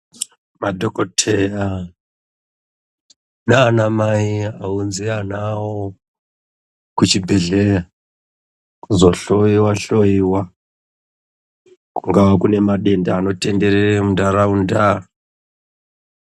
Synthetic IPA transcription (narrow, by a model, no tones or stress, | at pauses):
madʱokotʰeja | naːnamaiaunzianawo | kut͡ʃibʱeɮeja | kzoɬoiwaɬojiwa | kuŋɡawakune̞maɗe̞ndaːno̞te̞ndeɾeemundaɾaunda